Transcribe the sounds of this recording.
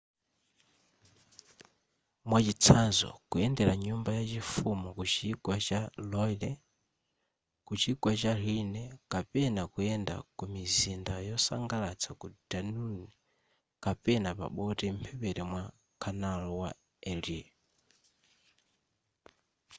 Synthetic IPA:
mwat͡ʃit͡sʰazɔ̰kuɛndɛɾaɲumbajat͡ʃifumukut͡ʃiɡwat͡ʃalɔlɛ | kut͡ʃiɡwat͡ʃalinɛkapɛnakuɛnda̰kumizindajɔsa̰ŋɡalat͡sʰakudanuni | kapɛnapa̰ɓɔtɛm̩pʰɛpɛɾɛmwa | kʰanalɔwa | ɛli

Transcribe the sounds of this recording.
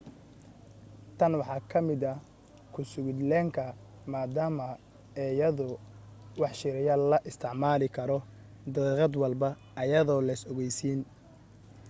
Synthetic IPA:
t̪ʰɐnwɑħɑːkʰɐmɪd̪ɐ | kʰʊsʊɣʊd̪lɛːŋkʰɐ | maːd̪aːmɐ | ɛːjɐðʊwɑħʃɪɾɪjɐlɐʔɪst̪ʰɪʕmaːlɪkʰɐɾɔ | d̪ɐiʁɑd̪wɐlbɐ | ɐjɐðɔːlɐjsɔɣɛjsiːn

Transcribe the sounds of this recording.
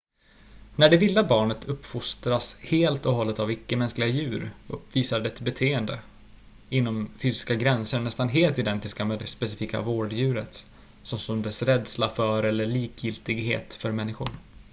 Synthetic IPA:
næɖɛvɪlːabɑːɳət̪ʰɵpːfʊst̪ɾasheːlt̪ɔɦɔlːət̪avɪkːəmɛnsklɪɡajʉ̟ːɾɵpːviːsaɖɛɛt̪bɛt̪ʰeːənd̪ə | ɪnːɔmfyːsɪ̥skaɡɾɛnsəɾɳɛst̪anɦeːlt̪ɪd̪ɛnt̪ɪskamɛːd̪ɛspɛsɪfiːka̰voːɖjʉ̟ːɾət̪ | sɔmsɔmd̪ɛsɾɛd̪slafœɾɛlːəɭiːkʰjɪlt̪ɪɡɦḛːt̪fœɾmɛnːɪɧʊ̰ɾ

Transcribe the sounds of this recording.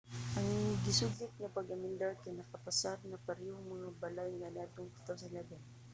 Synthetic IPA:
ʔɐŋɡɪsʊɡɪt̪̚ŋapɐɡɐmɪnd̪aɾkajnɐkɐpasaɾnɐpɐɾɛhomɐŋabalajŋɐnat̪ʊŋkɪ̥t̪awsɐlaɡat̪

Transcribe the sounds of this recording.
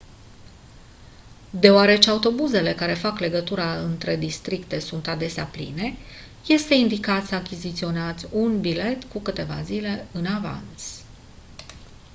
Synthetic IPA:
d̪e̞oaɾe̞t͡ʃe̞aut̪o̞buze̞le̞kaɾe̞fakle̞ɡət̪uɾaɨnt̪ɾe̞d̪ist̪ɾikt̪e̞sunt̪ad̪e̞sea̰plḭne̞ | je̞st̪e̞ind̪ikat̪səakʲizit̪sio̞neat̪zʲunbile̞t̪kukɨt̪e̞va̰zile̞ɨnava̰nt̪s

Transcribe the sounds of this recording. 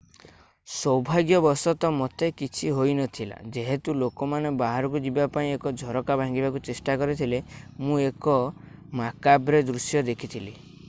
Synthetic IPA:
sɔwbʱaɡjɔbɔsɔt̪ɔmɔt̪ekit͡ʃʰiɦojnɔt̪ʰila̰d͡ʒeɦet̪ulokɔmanebaɦaɾɔkud͡ʒibapaĩekɔd͡ʒʱɔɾɔkabʱãŋɡibakut͡ʃesʈakɔɾit̪ʰilemũekɔ | makabɾed̪ɾusjɔd̪ekʰit̪ʰili

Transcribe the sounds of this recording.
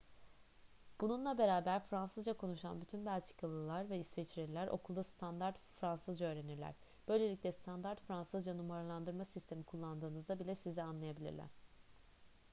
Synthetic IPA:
b̥ununlˠabe̞ɾaːbæɾfɾansɯzd͡ʒakʰo̞nuʃa̰nbyt̪ʰynbælʲt͡ʃʰi̥kʰalˠɯlˠaɾvɛisfɛt͡ʃɾilʲæɾʔo̞̰kʰulˠd̪ast̪ʰand̪aɾt̪fɾansɯzd͡ʒaøːɾe̞niɾlʲæ̰ɾ̥ | b̥ø̞jlʲe̞lʲiclʲɛst̪ʰand̪aɾt̪fɾansɯzd͡ʒanumaɾalˠand̪ɯɾmasist̪ʰe̞mikʰulˠːand̪ɯːnɯzd̪abilʲɛsizianlˠajabilʲḭɾlʲæ̰ɾ̝̥

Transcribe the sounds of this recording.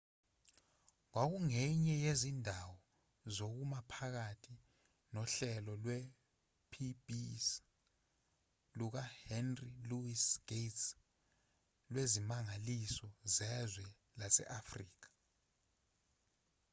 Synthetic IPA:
k̬wak̬uŋɛɲɛjezindʱawɔ | zok̬umapʰak̬atʰi | nɔɬɛlɔlwɛ | pʰibis | luk̬ahɛnriluisɡ̥ets | lwezimaŋalisɔzɛzwɛ | lasɛ̰ʔafriːk̬ḁ

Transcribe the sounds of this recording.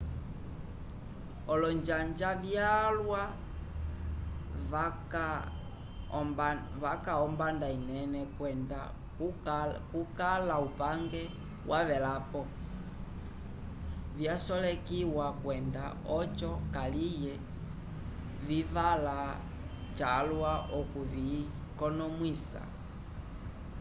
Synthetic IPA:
ɔlɔnd͡ʒaɲd͡ʒavjalwa | vakaɔmbandainɛnɛkɛnda | kukalaupaŋɡɛ | wʔaβɛlapɔ | vjasɔlɛkiwakwɛnda | ɔt͡ʃɔkalijɛ | vivala | t͡ʃalwaʔɔkuvikɔnɔmwisa̰

